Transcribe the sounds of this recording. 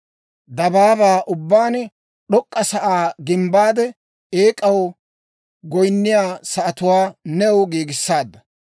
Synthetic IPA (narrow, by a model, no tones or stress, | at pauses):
d̪ɐbaːbaːʔʊbːaːnɛ | ɗɔkʼːɐsɐʔaːɡɪmbaːd̪ɛ | eːkʼɐw | ɡɔjnːɪjaːsɐʔɐt̪ʊwaːnɛwɡeːɡɪsːaːd̪ːɐ